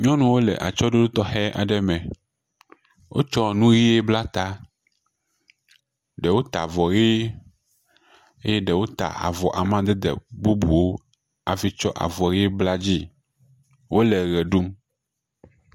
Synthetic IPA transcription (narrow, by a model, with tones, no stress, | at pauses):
ɲɔ̃˦nũ˦wo˦lɛ̰˨ʔa̰˨t͡ʃɔ˦ɖo˦ɖu˦t̪ɔ˦xɛ˦ʔa̰˨ɖɛ˦mɛ̃˨ | wʔo̰˦t͡ʃɔ˦nũ˦ɣi˦e˦bla˦t̪a˦ | ɖɛ˨wo˦t̪a̰˨vɔ˨ɣe˦ | e˦jɛ˦ɖɛ˨wo˦t̪a̰˨a̰˨vɔ˨ʔa˨mã˦d̪ɛ˦d̪ɛ̰˨bu˦bu˨wo˦ | a˨fi˦t͡ʃɔ˦ʔa̰˨vɔ˨ɣi˦bla˦d͡ʑi˦ | wʔo˦lɛ˨ɣɛ˨ɖu˦m